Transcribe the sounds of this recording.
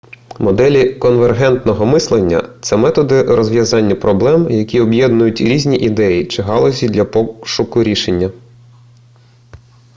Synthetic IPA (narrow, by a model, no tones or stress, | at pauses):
mɔd̪ɛlʲikɔnʋerɦɛnt̪nɔɦɔmɪslˠenʲːɐ̰t̪sɛmɛt̪ɔd̪ɪrɔzʋʲjɐzɑnʲːɐpɾɔblˠɛmjɐkʲiɔbjɛd̪nʊjʊtʲɾʲizʲnʲiʔid̪ɛjit͡ʃɪɦɑlˠɔzʲid̪lʲɐpɔʃʊkʊɾʲiʃenʲːɐ